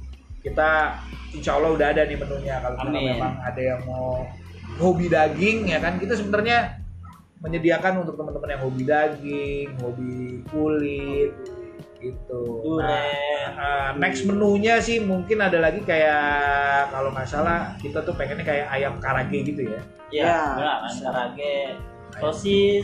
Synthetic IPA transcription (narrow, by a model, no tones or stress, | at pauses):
kit̪aiɲt͡ʃaulaudaɦadanɪhmənuɲakalok̪amemaŋadajaŋmo | hobidaɡɪŋjakankit̪as̬əbənarɲa | məɲədiakanunt̪ʊk̚t̪əmənt̪əmənjaŋɦobidaɡɪŋhobikulɪt̪̚ɡ̥it̪u | ənɛksmənuɲasɪhmuŋkɪnadalaɡikaja | kalomasalahkit̪at̪uhpeŋɛnɲakajaʔːjamkaɾaɡeɡit̪uja | jaaaɾaɡe | aosɪ